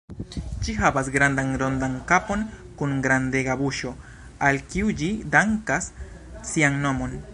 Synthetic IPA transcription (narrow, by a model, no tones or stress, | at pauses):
d͡ʒiɦavasɡɾand̪aŋɾo̞nd̪aŋkapo̞n | kuŋɡɾande̞ɡabuʃo̞ | alkiud͡ʒidaŋkasː | iaŋno̞mo̞n